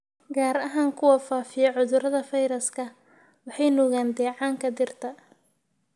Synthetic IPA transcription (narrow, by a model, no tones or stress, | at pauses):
ɡaːɾɐɦaːŋkʰʊwɐfaːfɪjɔʕʊðʊɾɐðɐfɐjɾɐskʰɐ | wɑħɑjnɔɣaːnd̪ɛːʕɑːŋkʰɐd̪ɪrt̪ʰɐ